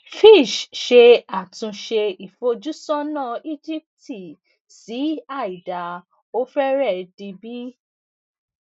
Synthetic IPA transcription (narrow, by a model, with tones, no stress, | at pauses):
fi˦˨ʃʃe˧a˦˨tũ˧ʃe˧i˨fo˧d͡ʒu˦sɔ̃˦nã˦˨i˦d͡ʒi˦p̚ti˨ | si˨˦a˦˨i˨da˨ | o˦fɛ˦ɾɛ˦˨di˧bi˦